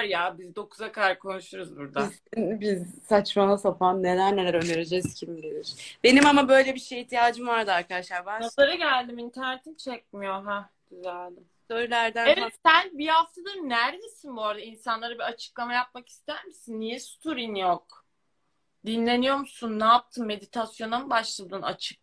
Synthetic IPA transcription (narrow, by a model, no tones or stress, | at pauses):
ɾjabizd̪o̞kʰuzakʰad̪aɾkʰo̞nuʃuɾuzbuɾd̪a | bizsat͡ʃmanˠasafanːelæɾnelæɾø̞nd̪eɾed͡ʒɛz̥cʰimd̪elʲiɾ̥b̥e̞nimamabø̞jlʲebiʃejiht̪ijaːd͡ʒɯmvaɾd̪aaɾkad̪aʃlˠaɾbanaaɾaɟælʲd̪imint̪ʰæɾnet̪ʰint͡ʃʰɛc̚mijoɦɛ | ɟ̥yzælʲd̪ɪ | søɾlʲæɾd̪ænevɛtsænbihaft̪ʰad̪ɯnæɾd̪esinboɾad̪ainsanlˠaɾɯbiat͡ʃʰɯ̥klˠamajap̚maki̥st̪ʰæɾmisinːijɛsu̥t̪ʰuɾinjok̚ | d̪inlʲe̞nijo̞ɾmusunːɛːp̚t̪ʰɯmːe̞d̪it̪ʰasjo̞nambaʃlˠad̪ɯna̰t͡ʃʰɯ̥k̚